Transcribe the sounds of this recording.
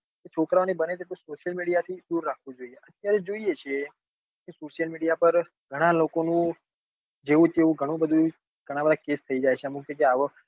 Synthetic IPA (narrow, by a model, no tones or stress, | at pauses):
ket͡ʃʰokɾaʋanibənet̪et̪õsoʃijəlmiɽijat̪ʰid̪uɾːakʰʋũd͡ʒoieʔət̪ːjaɾed͡ʒoijet͡ʃʰe | kesoʃijəlmiɽijapəɾ | ɡʱəɽ̃ãlokonũ | d͡ʒeʋũt̪eʋũɡʱəɽ̃ũbəd̪ʱũ | ɡ̥ʱəɽ̃ãbəd̪ʱakest̪ʰəid͡ʒajt͡ʃʰeəmũkekeaʋə